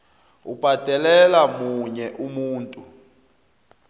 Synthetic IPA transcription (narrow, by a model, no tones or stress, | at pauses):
ub̥ʱad̥ʱɛlɛlamuɲɛʔumuːntʼu